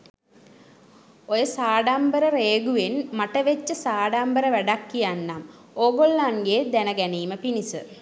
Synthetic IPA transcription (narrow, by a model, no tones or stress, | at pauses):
ojəsaːɖambəɾəɾeːɡuʋenmaʈəʋet͡ʃːəsaːɖambəɾəʋæɖakːijanːam | oːɡolːaŋɡeːd̪ænəɡæniːməpinisə